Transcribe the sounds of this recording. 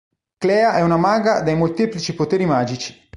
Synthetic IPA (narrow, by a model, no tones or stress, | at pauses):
klɛːaʔɛunamaːɡad̪ejmolt̪eːplit͡ʃipot̪eːɾimaːd͡ʒit͡ʃi̥